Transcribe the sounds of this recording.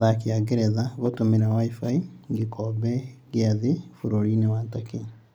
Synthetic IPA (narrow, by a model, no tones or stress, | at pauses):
ðakiaɡeɾɛðaɣotomeɾawaifaiŋɡikɔbɛɡjaðefuɾoɾinewatake